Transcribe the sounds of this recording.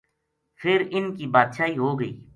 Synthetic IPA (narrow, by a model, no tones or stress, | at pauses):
fʰɪɾɪnkibaːd̪ʃaːiɦoɡəiː